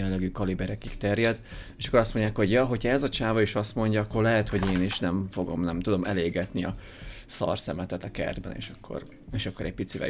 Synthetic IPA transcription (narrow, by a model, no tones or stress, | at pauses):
ɛnlːɛɡyːkɒlibɛɾɛkikt̪ɛrjɛd̪ | eʃɒkːoɾɒst̪mo̞ɲɟaːkho̞ɟjɒɦo̞chɒɛzɒt͡ʃaːvɒiʃɒst̪mo̞ɲɟɒɒkːo̞rlɛɦɛt̪ho̞ɟeːniʃnɛɱfo̞ɡo̞̰mnɛmt̪ud̪o̞mʔɛleːɡɛt̪niɒ | sɒ̰rsɛmɛt̪ɛt̪ɒkɛ̰rd̪̚bɛ̰nḛːʃɒkːo̰r | eːʃɒkːo̞ɾɛɟ̚pit̪sivɛ̰